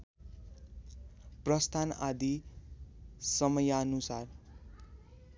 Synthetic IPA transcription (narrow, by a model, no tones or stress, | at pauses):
prʌst̪ʰana̰d̪i | sʌmʌjaʌnusar